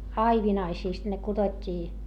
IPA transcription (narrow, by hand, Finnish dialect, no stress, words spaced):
ɑiʋinɑisiːst ne kud̥otʲːiː